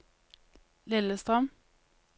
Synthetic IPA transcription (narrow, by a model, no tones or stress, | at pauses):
lɪləst̪ʁɑm